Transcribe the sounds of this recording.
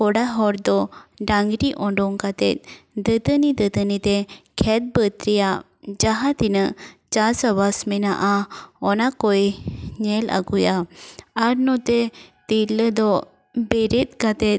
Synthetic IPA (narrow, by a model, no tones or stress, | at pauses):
kɔɽaɦɔɾd̪ɔɖaŋɡɾiʔɔ̃ɳɖɔŋkat̪ɛt̪̚d̪ət̪ənid̪ət̪ənit̪ɛkʰɛt̪̚bət̪ɾija | d͡ʒaɦãt̪inəʔt͡ʃasəbasmɛna̰ʔaɔnakɔjɲɛlʔa̰ɡujaaɾnɔt̪ɛt̪iləd̪ɔ | bɛɾit̪̚kat̪ɛt̪̚